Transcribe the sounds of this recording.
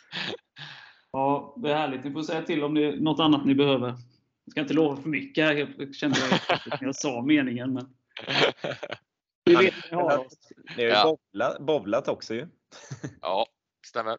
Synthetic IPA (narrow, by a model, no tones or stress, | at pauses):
ɑːvɪhæːɭɪɡt̪nɪfoːɾsɛjːat̪ʰɪlːɔmd̪ɛːnɔt̪ːanːat̪nɪbɛhøːvəɾ | ɪskaɪnt̪əloːvafœɾmʏkːəhæɾheːlɕɛnd̪əj̪ɪjasɑːmeːnɪŋənmɛn | dɪveːt̪nɪhaɾanɪhajbɔlabɔvlat̪ɔksɔjɵ | st̪ɛə